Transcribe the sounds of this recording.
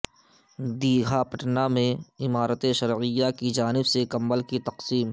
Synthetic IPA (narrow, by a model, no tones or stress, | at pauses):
d̪iːɡʱapəʈnamẽɪmaːɾət̪eʃɐɾʕɪjːakid͡ʒaːnɪbsekɐ̃mbəlkit̪ɐqsiːm